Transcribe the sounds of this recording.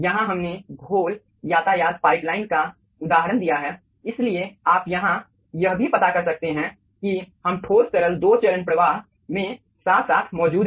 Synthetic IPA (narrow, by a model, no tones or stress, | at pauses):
jɐɦãɦɐmneɡʱoːl | jaːt̪ajaːd̪̚paːɪplaːɪnka | ʊd̪aːɦəɾənd̪ijaɦɛː | ɪslieaːpjɐɦã | jɐɦbʱipɐt̪akɐɾsɐk̚t̪eɦɛ̃ | kihɐmʈʰoːst͡ʃəɾəld̪oːt͡ʃəɾənpɾəʋaːɦ | mẽ | saːt̪ʰsaːt̪ʰmɔːd͡ʒuːd̪